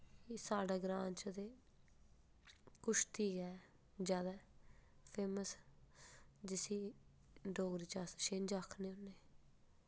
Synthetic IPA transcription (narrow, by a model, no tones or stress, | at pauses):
isaːɖaːɡɾãːnt͡ʃət̪eː | kʊʃt̪ʰiːkɛː | d͡ʒjaːd̪aːpʰeːməs | d͡ʒɪsiː | ɖoːɡɾiːt͡ʃasʃend͡ʒakʰːneːʊnːeː